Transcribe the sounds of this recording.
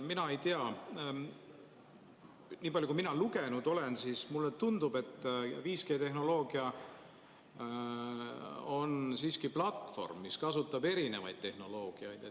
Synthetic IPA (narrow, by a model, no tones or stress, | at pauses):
minɑe̞jt̪eɑ | niːpɑljukuminɑluɡenud̪o̞le̞nsiːsmulːet̪und̪̥ub̥e̞t̪ːˑviːske̞ːt̪e̞ɦno̞lo̞ːɡ̥iɑ | o̞nsiːskiplɑt̪fo̞̰rmːiskɑs̬ut̪ːˑɑbe̞ɾine̞vɑ̰jd̪̚t̪e̞hno̞lo̞ːɡ̥iɑjd̪̥e